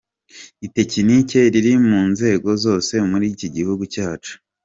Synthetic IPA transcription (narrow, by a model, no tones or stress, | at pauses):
ite̞cinice̞ɾiɾimuːnze̞ːɡo̞zo̞ːse̞muɾiciɟihuɡucaːt͡ʃu̥